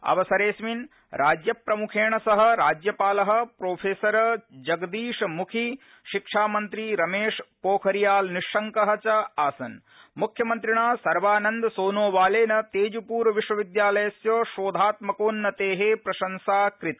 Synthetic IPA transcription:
ɐ̰ʋɐsɐɾeːsmin | ɾʔaːd͡ʒjɐpɾɐmukʰeːɳɐsɐɦɐ̆ɾaːd͡ʒjɐpaːlɐɦɐ̆pɾoːpʰeːsɐɾɐd͡ʒɐɡd̪iːʂmukʰi | ʃikʂaːmɐnt̪ɾiɾɐmeːʂpoːkʰɐɾijaːlniʂːɐŋkɐɦɐt͡ʃɐaːsɐn | mukʰjɐmɐnt̪ɾiɳaːsɐɾʋaːnɐnd̪ɐsoːnoːʋaːleːnɐt̪eːd͡ʒupuːɾʋiʂʋɐʋid̪jaːlɐjɐsjoːʃoːd̪ʱaːt̪mɐkoːnːɐt̪eːɦepɾɐʃɐnsaːkɾit̪

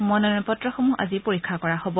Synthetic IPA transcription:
mɔnɔnɔpɔtɹɔxomua̰zipoɹikʰːakɔɹahobɔ

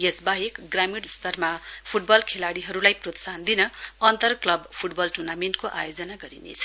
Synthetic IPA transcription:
jesbaɦekɡramiɽst̪ʌrmapʰuʈ̚bʌlkʰelaɽiɦʌɾulajprot̪sand̪inʌʌnt̪ʌrklʌbpʰuʈbʌlʈurnamenʈkoʔa̰jod͡zʌnaɡʌɾḭnḛt͡sʰʌ̥

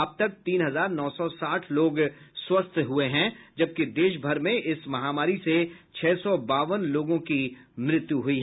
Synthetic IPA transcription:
ɐb̚t̪ɐk̚t̪iːnɦɐzaːɾnɔːsɔsaːʈʰloːɡswɐst̪ʰɦueɦɛ̃d͡ʒɐb̚kid̪eːʃ̬bʱɐɾmẽʔɪsmɐɦaːmaːɾiset͡ʃʰɛːsɔbaːʋənloːɡõki | mɾɪt̪juɦʊiɦ

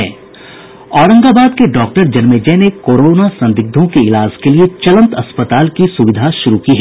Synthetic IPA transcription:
ɛ̰ː | ɔːɾə̃ŋɡabaːd̪keɖɔːk̚ʈəɾd͡ʒɐnmed͡ʒɛːnekoːɾoːnasɐ̃nd̪ɪɡ̚d̪ʱõkeɪlaːd͡ʒkeliet͡ʃɐlə̃nt̪ɐspət̪aːlkisʊʋɪd̪ʱaʃʊɾukiɦɛ

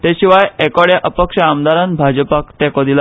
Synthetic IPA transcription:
t̪eɕiʋajɛkɔɽjaʔəpəkʂəamd̪aɾanbʱad͡ʑəpakt̪ekɔd̪il

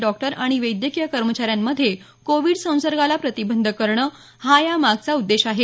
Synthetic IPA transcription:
ɖɔk̚ʈəɾaɽ̃iʋəjd̪jəkijəkəɾmət͡ɕaɾjamːəd̪ʱːje | koʋiɽsə̃w̃səɾɡʱalapɾət̪ibənd̪ʱəkəɾɳəː | hajamaɡ̚t͡saud̪ːeɕaɦe

